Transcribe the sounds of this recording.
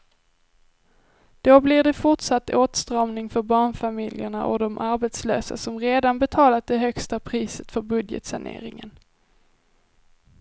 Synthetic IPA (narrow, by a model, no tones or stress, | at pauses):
d̪̥oblɪɖɛfʊʈʂat̪ːoːt̪st̪ɾɑːmnɪŋfœɾbɑːɳfamɪljəɳa̰ʔɔ̰d̪ɔmʔaɾbɛt̪slø̰ːsa̰sɔmɾeːd̪anbɛt̪ʰɑːlat̪̚d̪ɛɦœkst̪apʰɾiːsə̥t̪fœɾbɵd̪jə̰t̪saɳḛːɾɪ̰ŋən